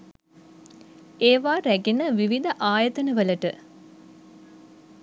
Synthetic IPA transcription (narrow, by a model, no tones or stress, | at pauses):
eːʋaːɾæɡenəʋiʋid̪ɐʔaːjət̪ənəʋələʈə